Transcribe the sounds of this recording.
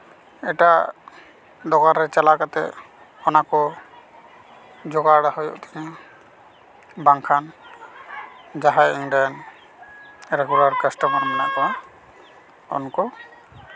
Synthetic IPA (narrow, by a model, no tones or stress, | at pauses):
ɛʈa | d̪ɔkaɾɾɛt͡ʃalakat̪ɛ̰ʔ | ɔnakɔ | d͡ʒɔɡaɽaɦɔjɔ̰ʔt̪ʰɛɲa | baŋkʰan | d͡ʒaɦajɛŋɖan | ɾɛɡulaɾkasʈamaɾmɛna̰ʔkaa | ɔ̰nkɔ